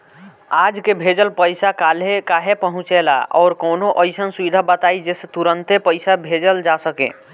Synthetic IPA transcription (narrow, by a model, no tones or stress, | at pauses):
ad͡ʒkebʱed͡ʒəlpəjsakalɦekaɦepəɦũt͡ʃela̰ɔ̰ːɾkoːnoʔəjsənsuid̪ʱabət̪aid͡ʒeset̪uɾənt̪epəjsabʱed͡ʒəld͡ʒasəkḛ̃